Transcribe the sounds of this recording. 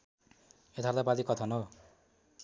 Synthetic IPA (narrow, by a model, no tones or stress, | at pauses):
et̪ʰaɾd̪apalikʌt̪ʰʌno